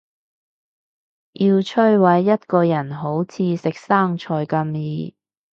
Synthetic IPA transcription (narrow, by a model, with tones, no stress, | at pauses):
jʔiː˧wt͡ʃʰɵ˥ɥwɐ˨˥jːɐ˥t̚kɔː˧jɐ˨˩nɦo˨˥wt͡sʰiː˧sɪ˨k̚saː˥ŋt͡ʃʰɔː˧jkɐ˧mjiː˧